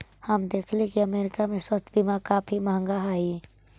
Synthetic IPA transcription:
həmd̪ekʰlẽkiəmeɾikamesəst̪bimakapʰiməɦə̃ŋɡaɦai

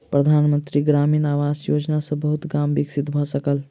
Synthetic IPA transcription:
pɾəd̪ʱaːnmənt̪ɾiɡɾaːminaːʋaːzjoːd͡ʒnasə̃bəɦut̪ɡaːmbiksit̪bʱɔsəkəl

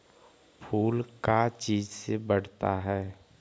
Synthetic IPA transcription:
pʰuːlkat͡ʃiːd͡ʒsebəɽ̤t̪aɦɛː

